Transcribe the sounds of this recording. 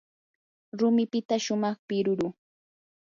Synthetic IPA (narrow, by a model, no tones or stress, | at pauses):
ɾʊmɪpɪt̪aʃʊmɑχpɪɾʊɾʊ